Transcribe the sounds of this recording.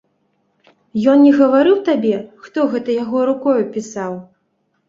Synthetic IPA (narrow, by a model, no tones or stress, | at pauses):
jɔnnʲɛɣɐvaɾɨwt̪abʲɛxt̪ɔɣɛt̪ɐjaɣɔɾukɔjupʲisaw